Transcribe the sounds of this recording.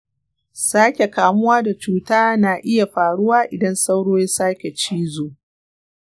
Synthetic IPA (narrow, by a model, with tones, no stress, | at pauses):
saː˦kʲe˨kaː˨mʊ˦waː˦da˨t͡ʃuː˦taː˦naː˨ʔɪ˦ja˨ɸaː˨ɽʊ˦waː˦ʔɪ˨dɐ˦nsa˦wɽoː˦ja˦saː˦kʲe˨t͡ʃiː˦zoː˨